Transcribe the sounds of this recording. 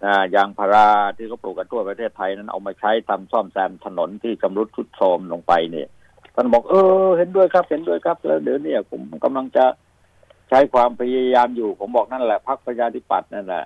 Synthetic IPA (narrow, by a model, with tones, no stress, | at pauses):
naː˧˩jaː˧ŋpʰaː˧ɾaː˧˩t̪ʰiː˥˩kʰa˥˩pluː˨˩ka˧nt̪ʰu˥˩ɐpɾa˧t̪ʰeː˥˩t̪ʰːa˧jna˦˥˩nʔa̰˧wmaː˧t͡ɕʰa˦˥jt̪ʰa˧msɔ˥˩msɛː˧mt̪ʰa˧no˩˦nt̪ʰiː˥˩t͡ɕa˧mɾu˦˥t̪̚t͡ɕʰu˦˥t̪̚sɔː˧mlo˧ŋpa˧jni˧˩ɐ | t̪ʰa˥˩nbɔː˨˩k̚ʔɤː˧he˨˧˦ndu˥˩əjkʰa˦˥p̚he˨˦ndu˥˩əjkʰa˦˥p̚lɛ̰ː˦˥wdiː˨˦ni˧˥˩ɐpʰo˨˦mː˥˩ka˧mla˧ŋt͡ɕa˨˩ | t͡ɕʰa˦˥jkʰwaː˧mpʰa˧ja˧jaː˧mjuː˨˩pʰo˨˦mbɔː˨˩k̚na˥˩nlɛ˨˩pʰa˦˥k̚pɾa˧t͡ɕʰaː˧t̪ʰi˦˥pa̰˨˩t̪̚na˥˩nlɛ̰˨˩ʔ